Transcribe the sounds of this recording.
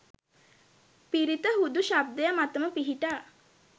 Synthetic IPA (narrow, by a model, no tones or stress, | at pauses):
piɾit̪əɦud̪uʃab̚d̪əjamat̪əməpiɦiʈaː